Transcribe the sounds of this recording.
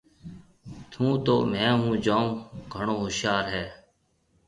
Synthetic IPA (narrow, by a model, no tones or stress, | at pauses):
t̪ʰũːt̪oːmɛ̃ːɦũːd͡ʒãːɡʱəɳoːɦʊʃjaːɾɦɛː